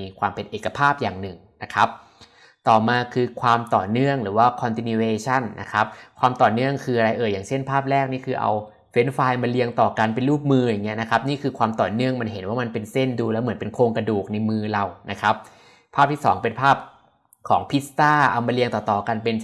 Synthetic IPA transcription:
kʰwaː˧mpe˧nʔeː˨˩kːa˧pʰaː˥˩p̚jaː˨˩ŋnɯ˨˩ŋna˦˥kʰa˦˥p̚ | t̪ɔː˨˩maː˧kʰɯː˧kʰwaː˧mt̪ɔː˨˩nɯ˥˩əŋɾɯː˩˦waː˥˩kʰɔ˧nt̪i˧ni˧weː˧t͡ɕʰa˥˩nːa̰˦˥kʰa˦˥p̚kʰwaː˧mt̪ɔː˨˩nɯ˥˩əŋkʰɯː˧ʔa˧ɾa˧jʔɤː˧˩jaː˨˩ŋt͡ɕʰe˥˩npʰaː˥˩p̚ɾɛː˥˩k̚niː˥˩kʰɯː˧ʔa̰˧w | fe˦˥nfaː˧jmaː˧li˧əŋt̪ɔː˨˩ka˧np̬e˧nluː˥˩p̚mɯː˧ja˨˩ŋːi˦˥ɐna˦˥kʰa˦˥p̚niː˥˩kʰɯː˧kʰwaː˧mt̪ɔː˨˩nɯ˥˩əŋma˧nɦe˩˦nwaː˥˩ma˧npe˧nse˥˩nduː˧lɛː˦˥wmɯ˩˦ənpe˧nkʰoː˧ŋka˧duː˨˩k̚na˧jmɯː˧la˧wnʔa˦˥kʰa˦˥p̚ | pʰaː˥˩p̚t̪ʰiː˥˩sɔ̰ː˩˦ŋpe˧npʰaː˥˩p̚ | kʰɔː˩˦ŋpʰi˦˥st̪aː˥˩ʔa˧wmaː˧li˧əŋt̪ɔː˨˩t̪ɔː˨˩ka˧npe˧n

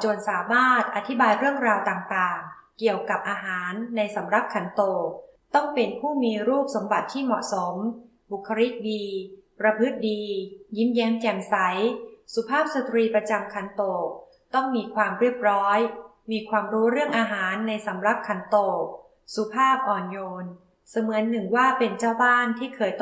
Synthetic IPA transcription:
t͡ɕo˧˩ənsaː˩˦maː˥˩t̪̚ʔa˧t̪ʰi˦˥baː˧jɾɯ˥˩əŋɾaː˧wt̪aː˨˩ŋt̪aː˨˩ŋki˨˩əwka˨˩p̚ʔaː˧ɦaː˩˦nːa˧jsa˩˦mɾa˧˦˥p̚kʰa˩˦nt̪oː˨˩k̚ | t̪ɔ˥˩ŋpe˧npʰuː˥˩miː˧ɾuː˥˩p̚so˩˦mba˨˩t̪ʰːiː˥˩mɔ̰˨˩ʔso˩˦m | bu˨˩kʰːa˧ɾi˦˥t̪̚diː˧pɾa˧pʰɯ˦˥t̪̚diː˧jiː˦˥njɛː˦˥mkɛ˧˩msa˩˦jsu˨˩˦pʰaː˥˩p̚sa˧t̪ɾiː˧pɾa˧t͡ɕa˧mkʰa˧˦nt̪oː˨˩k̚ | t̪ɔ˥˩ŋmiː˧kʰwaː˧mɾi˥˩əp̚ɾɔː˦˥j | miː˧kʰwaː˧mɾuː˦˥ɾɯ˥˩əŋʔaː˧ɦaː˩˦nːa˧jsa˩˦mɾa˧˥˩p̚kʰa˩˦nt̪oː˨˩k̚ | su˨˦pʰaː˥˩p̚ʔɔː˨˩njoː˧n | sa˧mɯ˩˦ənːɯ˨˩ŋwaː˥˩pe˧nt͡ɕaː˥˩wbaː˥˩nt̪ʰiː˥˩kʰɤː˧˩jt̪

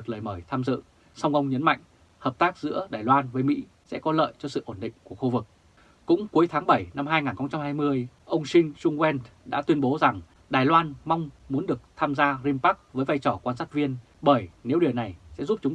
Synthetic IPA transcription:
ɨ˨˩k̚ləː˨˩jməː˧˩jt̪ʰaː˧mzɨ̰˧˨ | sa˧wŋ͡mʔə˧wŋ͡mɲə˨˦nma̰˧˨jŋ̟ | həː˨˩p̚t̪aː˦˥k̚zɨ̰˧˥əɗaː˨˩jlwaː˧nvəː˨˦jmḭ˧˥ | sɛ̰˧˥kɔ˨˦lə̰ː˧˨jt͡ɕɔ˧sɨ̰˧˨ʔo˧˩nɗḭ̈˧˨ŋ̟ku˧˩əxu˧vɨ˨˩k̚ | kʊ̰˧˥ŋ͡mku˨˦jt̪ʰaː˨˦ŋɓə˧˩jna˧mɦaː˧jŋaː˨˩nxə˧wŋ͡mt͡ɕa˧mhaː˧jmɨ˧əj | ʔə˧wŋ͡msï˧ŋ̟zʊ˧ŋ͡mwɛ˧nɗa̰ː˧˥t̪wi˧ənɓo˨˦za˨˩ŋ | ɗaː˨˩jlwaː˧nma˧wŋ͡mmu˨˦nɗɨ˨˩ək̚t̪ʰaː˧mzaː˧zi˧mpa˦˥k̚vəː˨˦jva˧jt͡ɕɔ˧˩kwaː˧nsaː˦˥k̚vi˧ən | ɓəː˧˩jne˨˦wɗi˨˩əwna˨˩jsɛ̰˧˥zu˦˥p̚t͡ɕʊ˨˦ŋ͡m

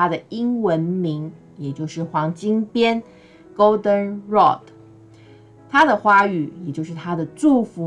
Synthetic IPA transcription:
a˥d̪ə˨i˥ŋwə˧˥nmi˧˥ŋ | jɛ˨˩t͡ɕjo˥˧ʊʂɻ̩˥˩xwɑ˧˥ŋt͡ɕi˥ŋpjɛ˥n | ko˥ʊd̪ə˥nɻɔ̰˥˩d̪ | t̪ʰa˥d̪ə˨xwa˥y˨˩jɛ˨˩t͡ɕjo˥˧ʊʂ̬ɻ̩˥˩t̪ʰa˥d̪ə˨ʈ͡ʂu˥˩fu˧˥

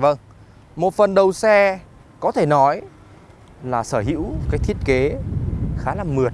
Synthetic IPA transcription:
və˧ŋ | mo˨˩t̚fə˨˩nɗə˨˩wsɛ˧ | kɔ˨˦t̪ʰe˧˩nɔ˨˦j | laː˨˩səː˧˩ɦḭ˧˥wkaː˨˦˥k̚t̪ʰi˧˥ət̚ke˨˦xaː˨˦laː˨˩mɨ˨˩ət̚

